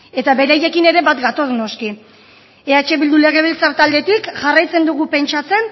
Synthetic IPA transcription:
e̞t̪aβe̞ɾaje̞kine̞ɾe̞βat̪ɡat̪ozno̞ski | eat͡ʃe̞βild̪ule̞ɣ̞e̞β̞elt͡saɾt̪ald̪e̞t̪ikʝarajt͡se̞nd̪uɣupe̞nt͡ʃat͡se̞n

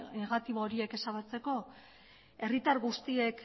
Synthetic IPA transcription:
neɣat̪iβoːɾie̞ke̞saβ̞at͡se̞ko̞ | e̞rit̪aɾɣust̪ie̞k

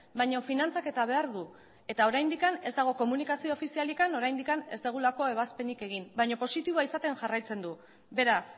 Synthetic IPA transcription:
bajɲo̞finant͡sake̞t̪aβ̞e̞aɾðu | e̞t̪ao̞ɾajnd̪ikane̞zd̪aɣ̞o̞ko̞munikasioːfisialikano̞ɾajnd̪ikane̞zd̪eɣ̞ulako̞e̞β̞aspe̞nike̞ɣ̞imbajɲo̞po̞sit̪iβaisat̪e̞nʝarajt͡se̞nd̪u | be̞ɾas

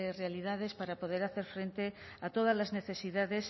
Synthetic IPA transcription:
erealið̞aðe̞spaɾapo̞ð̞eɾaθe̞ɾfɾe̞nt̪e̞ | at̪o̞ð̞azlazne̞θe̞siðaðe̞s

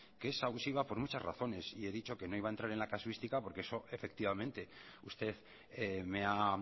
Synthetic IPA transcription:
keesaβusiβapo̞ɾmut͡ʃazra̰θo̞ne̞sie̞ðit͡ʃo̞ke̞no̞iβaent̪ɾaɾe̞nlakaswist̪ikapo̞ɾke̞eso̞ʔe̞fe̞k̚t̪iβamẽ̞nt̪e̞ust̪e̞ð | me̞a

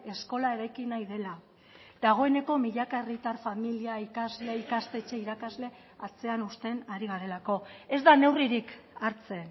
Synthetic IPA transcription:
e̞sko̞lae̞ɾajkinajðe̞la | d̪aɣ̞o̞e̞ne̞ko̞miʎakae̞rit̪arfamiliaikazleikast̪e̞t͡ʃe̞iɾakazle̞ | at͡se̞anust̪e̞naɾiɣ̞aɾe̞lako̞e̞zd̪ane̞wriɾikaɾt͡se̞n

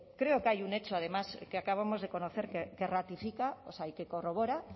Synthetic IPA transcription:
kɾe̞okajune̞t͡ʃoað̞e̞maskeakaβ̞amo̞zðe̞ko̞noθeɾkekerat̪ifikaosajkekoro̞β̞oɾa

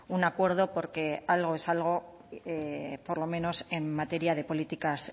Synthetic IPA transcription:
unakwe̞ɾð̞o̞po̞ɾke̞alɣ̞o̞e̞salɣ̞o̞ | epo̞ɾlo̞mẽ̞no̞se̞mːat̪e̞ɾjað̞e̞po̞lit̪ikas

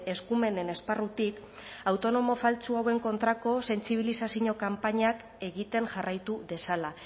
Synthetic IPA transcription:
e̞skume̞ne̞ne̞sparut̪ikawt̪o̞no̞mo̞falt͡suawe̞ŋko̞nt̪ɾako̞se̞nt͡siβ̞ilisasiɲo̞kampaɲak | e̞ɣit̪e̞ŋʝarajt̪uðe̞sala

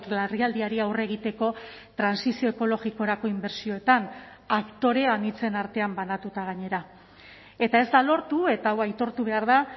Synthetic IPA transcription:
lariald̪iaɾiawre̞ɣ̞it̪e̞ko̞ | t̪ɾansisio̞eko̞lo̞ɣiko̞ɾako̞imbe̞ɾsio̞e̞t̪an | akt̪o̞ɾe̞anit͡se̞naɾt̪e̞ambanat̪ut̪aɣ̞aɲe̞ɾa | e̞t̪ae̞zd̪alo̞ɾt̪ue̞t̪awajt̪o̞ɾt̪uβ̞e̞aɾða

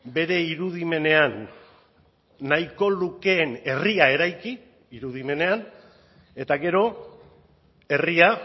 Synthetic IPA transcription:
be̞ɾe̞iɾuðime̞ne̞an | ajko̞luke̞ːne̞riae̞ɾajki | iɾuð̞ime̞ne̞an | e̞t̪aɣe̞ɾo̞ | e̞ria

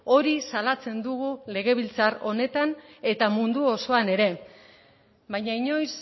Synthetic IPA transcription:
o̞ɾisalat͡se̞nd̪uɣule̞ɣ̞e̞βilt͡saro̞ne̞t̪ane̞t̪amund̪uo̞so̞ane̞ɾe̞ | bajɲaiɲo̞js

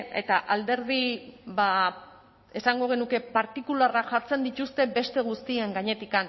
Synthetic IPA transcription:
e̞t̪aʔald̪e̞ɾð̞iβa | e̞saŋɡo̞ɣ̞e̞nuke̞paɾt̪ikularaʝaɾt͡se̞nd̪it̪ust̪e̞be̞st̪e̞ɣ̞ust̪ieŋɡaɲe̞t̪ikan

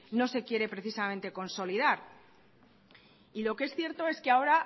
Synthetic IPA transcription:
no̞se̞kje̞ɾe̞pɾe̞θisamẽnt̪e̞ko̞nso̞lið̞aɾ | ilo̞kee̞sθje̞ɾt̪o̞e̞skeao̞ɾa

